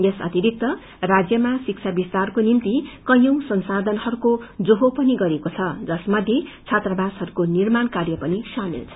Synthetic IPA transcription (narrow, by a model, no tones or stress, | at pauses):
jesʌ̰t̪iɾik̚t̪ʌ | rad͡zjʌmasik̚t͡sʰabist̪arkonimt̪ikʌjʌ̃w̃sʌnsad̪ʱʌnʌɾukod͡zoɦopʌniɡʌɾekot͡sʰʌd͡zʌsmʌd̪ʱjet͡sʰat̪rʌbashʌɾukonirmankarjʌpʌnisamḭlt͡sʰʌ